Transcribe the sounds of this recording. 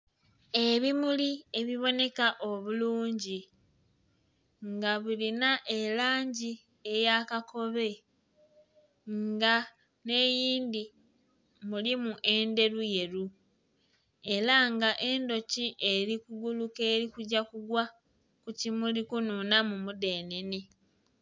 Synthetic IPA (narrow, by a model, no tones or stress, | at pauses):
e̞βimulie̞βiβo̞ne̞kaʔo̞βuluːɲɟi | ŋɡaβulinaʔelaːɲɟi | e̞jakako̞βe̞ | ŋŋɡa | ne̞ːjiːnd̪i | mulimuʔe̞nde̞ɾuje̞ɾu | e̞ɾaŋɡaʔe̞ndo̞ciʔeɾikuɡuluke̞ːɾikuɟakuɡwa | kucimulikununamumude̞ːne̞ne̞